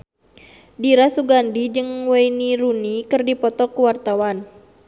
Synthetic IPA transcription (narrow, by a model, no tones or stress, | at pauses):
diɾasuɡandid͡ʒɨŋweiniɾunikɨrdipɔt̪ɔkuwart̪awan